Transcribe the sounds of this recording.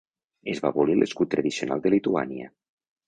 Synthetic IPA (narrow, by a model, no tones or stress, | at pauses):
ezβa̰βolilʔeskut̪ːɾəðisiona̰lˠd̪elit̪ua̰niə̰